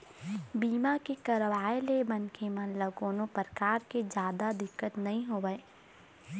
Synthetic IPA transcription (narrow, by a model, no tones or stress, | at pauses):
biːmakekɐɾʋaːelebɐnkʰemɐ̃nləɡoːnopəɾəkaːɾked͡ʒjaːd̪ad̪ɪkːət̪nɐɦĩɦoːʋəe